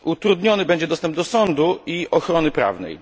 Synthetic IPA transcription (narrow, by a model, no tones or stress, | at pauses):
ut̪ɾud̪ɲɔnɘbɛɲd͡ʑɛd̪ɔst̪ɛmbd̪ɔsɔnd̪uʔiɔxɾɔnɘpɾa̰vnɛ̰j